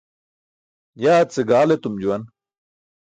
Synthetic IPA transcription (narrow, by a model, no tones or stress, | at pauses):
jaːt͡seɡaːlet̪umd͡ʑuwɐn